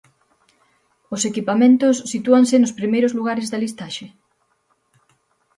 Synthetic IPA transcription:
ʊsekipamẽnt̪ʊsːit̪uaŋsɪnʊspɾimejɾʊzluɣaɾɪzðɐlist̪aʃe

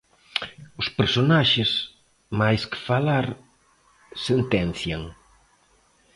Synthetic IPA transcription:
ʊspeɾsonaʃɪs | majskɪ̥falaɾ | sent̪ɛn̟θjaŋ

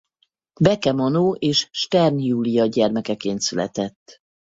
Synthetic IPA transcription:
bɛkɛmɒnoːʔeːʃʃt̪ɛrnjuːlijɒɟɛrmɛkɛkeːnt̪sylɛ̰t̪ɛt̪ː

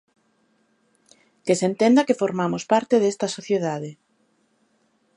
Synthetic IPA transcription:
kesent̪end̪akefoɾmamʊspaɾt̪eðest̪ɐsoθjeð̞aðe

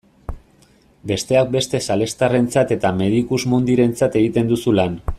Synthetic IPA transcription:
be̞st̪e̞ak̚be̞st̪e̞sale̞st̪are̞nt͡sat̪e̞t̪ame̞ð̞ikuzmund̪iɾe̞nt͡sat̪e̞ɣit̪e̞nd̪usulan

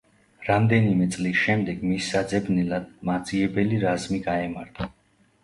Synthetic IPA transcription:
ɾamd̪ɛnimɛt̪sʼlisʃɛmd̪ɛɡmisːad̪zɛbnɛlad̪̥̚mad̪z̥ʼiɛbɛliɾazmiɡaɛmaɾt̪ʰa

